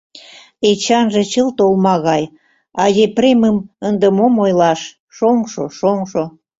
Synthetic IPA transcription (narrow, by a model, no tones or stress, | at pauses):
et͡ɕɑnʒĕt͡ɕəlt̪olmɑɣɑj | ɑɣepreməmənd̪ə̆momojlɑʃ | ʃoŋʃoʃoŋʃo